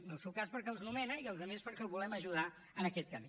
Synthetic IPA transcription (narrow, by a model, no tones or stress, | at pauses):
nəlˠsɛwkaspəɾkɛuwznumɛnəiəlˠzðəmespəɾkɛwβulɛməʒuða | ənəkɛt̪̚kəmi